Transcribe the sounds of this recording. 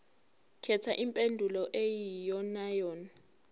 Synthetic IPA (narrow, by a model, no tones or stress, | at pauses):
kʰɛtʰaʔimpʼendʱulɔʔejijɔnajɔːna